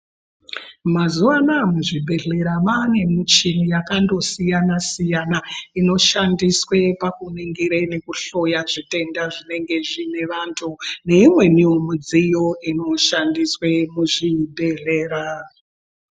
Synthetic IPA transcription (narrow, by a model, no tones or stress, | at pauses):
mazuanamuʐibʱe̞ɮe̞ɾamane̞mit͡ʃinijakando̞sijanasijanaino̞ʃandiswepakuniŋɡiɾene̞kuɬo̞jaʐite̞ndaʐine̞ŋɡe̞ʐine̞ʋantʰune̞imwe̞niomud͡zijo̞ʔino̞ʃandiswemuʐibʱe̞ɮe̞ːɾa